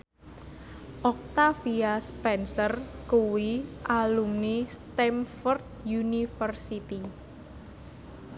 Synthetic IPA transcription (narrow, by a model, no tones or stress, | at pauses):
ʔɔk̚t̪afiaspɛnsərkuwiʔalumnist̪ɛmfɔrt̪̚junifərsit̪i